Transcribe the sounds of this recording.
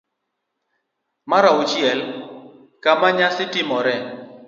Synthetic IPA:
maɾaʊt͡ʃjɛl | kamaɲasɪtɪmɔɾɛ

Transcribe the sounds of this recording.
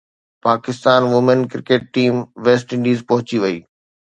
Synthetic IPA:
paːkɪst̪aːnʋʊmənkɪɾkeːʈ̚ːiːmʋeːs̬ʈɪ̃ɳɖiːzpɐ̃ɦʊt͡ɕiʋɐiː

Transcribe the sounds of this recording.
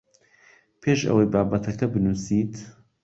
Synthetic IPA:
pʰeːʃɐ̰wejbaːbɐt̪ʰɐkʰɐbɨnuːsiːt̪

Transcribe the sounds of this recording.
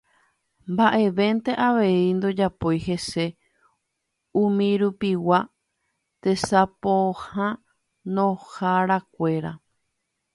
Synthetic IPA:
mbaʔe̞ʋẽ̞nt̪e̞ʔaʋe̞ind̪o̞d͡ʒapo̞jɦe̞se̞ | ũmĩɾupiwa | t̪e̞sapohã | nõhaɾakʷe̞ɾa̰

